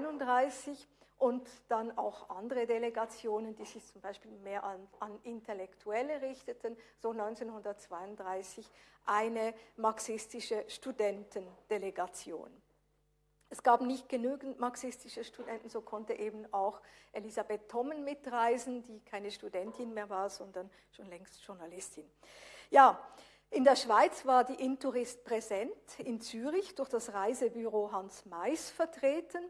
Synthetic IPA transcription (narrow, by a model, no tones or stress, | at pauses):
nʊndʁaɪsɪç | ʔʊntd̥ana̰ʊxʔandəʁədeleɡat͡sjoːnənd̥iːzɪçt͡sʊmbaɪʃpiːlmeːɐʔaanɪntʰelɛktʰuɛləʁɪçtətʰənz̥oːnɔʏnt͡seːnɦʊndɐt̚t͡sv̥aɪʊndʁaɪsɪçʔaɪnəmaɐksɪstɪʃəʃtudɛntənd̥eleɡat͡sjo̰ːn | ʔɛsɡ̥aːbnɪçt̚ɡ̥ənyːɡn̩tmaksɪstɪʃəʃtudɛntn̩zoːkʰɔntəʔeːbn̩aʊxʔelizabetʰːɔmənmɪtʁaɪzn̩diːkʰaɪnəʃtudɛntʰɪnmeːɐvaːʁz̥ɔndɐn | ʃoːnlɛŋstʃʊɐnalɪstʰɪn | jaː | ʔɪndeːɐʃv̥aɪt͡sv̥aːɐdiːʔɪntuʁɪst̚pʁ̥ɛzɛntɪnt͡syːʁɪçd̥ʊɐçd̥asʁaɪzəbyʁoːɦansmaɪsfɛɐtʁ̥eːtən